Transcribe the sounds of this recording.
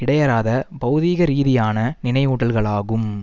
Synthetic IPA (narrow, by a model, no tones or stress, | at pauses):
ɪɽɐjɐɾaːðɐpɐɯðiːɣɐɾiːðɪjaːnɐnɪnɐɪuːʈːɐlɣɐɭaːɣɯm